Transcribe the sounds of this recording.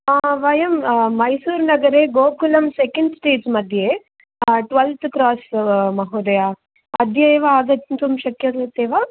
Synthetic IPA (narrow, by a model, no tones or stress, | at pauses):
aːʋɐjɐmmɐjsuːɾnɐɡɐɾeːɡoːkulɐmsekɐɳɖsʈeːd͡ʒmɐd̪ʱje | ʈʋɐlt̪ʰkɾaːsmɐɦuːd̪ɐjaː | ɐd̪ʱjeʋaaːɡ̪ɐnt̪umɐʃɐkjɐɐt̪ːeːʋaː